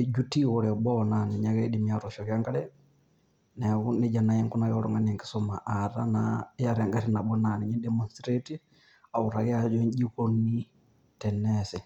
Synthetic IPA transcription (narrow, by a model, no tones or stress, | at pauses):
ed͡ʒutiɣɔɾɛɓɔnanɛɲaɣɛɗimiaɾɔʃɔɣaŋɡalɛ | nɛɣuned͡ʒanajɛŋkɔnajɔɾɔ̰ŋɡaniɛŋɡisɔma̰ʔaɾa̰najaɾɛŋɡaɾinabɔnanɛɲɛdɛmɔnstɾɛti | auɾaɣɛad͡ʒɔɲd͡ʒikɔni | tɛnɛsɛ